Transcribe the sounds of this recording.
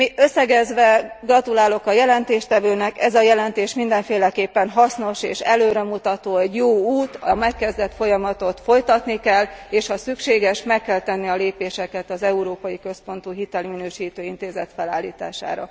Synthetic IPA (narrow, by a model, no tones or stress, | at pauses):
miʔø̞sːɛɡɛzʋɛɡrɒt̪ulaːlo̞kɒjɛlɛnt̪eːʃt̪ɛvøːnɛkɛzɒjɛlɛnt̪eːʃmind̪ɛɱfeːlɛkeːpːɛnɦɒsno̞ʃeːʃɛløːɾɛmut̪ɒt̪oːɛɟjoːuːt̪ɒmɛkːɛzd̪ɛt̪fo̞jɒmɒt̪o̞t̪fo̞jt̪ɒt̪nikɛlːeːʃhɒsykʃeːɡɛʃmɛkkːɛlt̪ɛnːiɒleːpeːʃɛkɛt̪ɒzɛuɾoːpɒjikø̞spo̞nt̪uɦit̪ɛliminøːʃiːt̪øːint̪eːzɛt̪fɛla̰ːlːḭːt̪a̰ːʃa̰ːɾɒ̰